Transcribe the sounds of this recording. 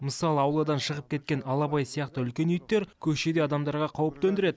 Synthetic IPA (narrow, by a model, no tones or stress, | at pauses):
məsɑlˠəɑwlˠɑd̪ɑnʃəʁəp̚kʲʰe̞t̪̚kʲe̞nɑlˠɑpɑjsijɑqt̪əʏlkʲe̞nʏjt̪ːe̞ɾkʲʰɵʃe̞d̪e̞ɑd̪ɑmd̪ɑɾʁɑqʰɑwəp̚t̪ɵnd̪ɪɾe̞d̪ɪ